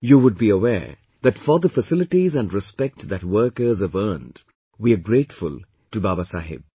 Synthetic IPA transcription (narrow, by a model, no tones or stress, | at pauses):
juwʊd̚biəwɛ̰ɹ | ðætfɔ˞ðəfəsɪlɨʈizæ̃ndɹɪspɛk̚tðæt̚wɜ˞kə˞zəvɜːnd̥ | wiəɡɾeɪtfʊ̰lˠ | tubabasa̰ɦɪ̰b̚